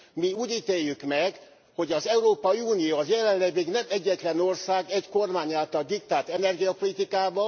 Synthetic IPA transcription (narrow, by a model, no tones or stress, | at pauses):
miuːɟiːt̪eːjːykmɛɡ | ho̞ɟɒzɛuɾoːpɒiuːnijoːɒzjɛlɛnlɛviɡnɛmɛɟːɛt̪lɛno̞rsaːɡɛɟko̞rmaːɲaːlt̪ɒld̪ik̚t̪aːt̪ɛnɛrɡijɒpolit̪ikaːbɒ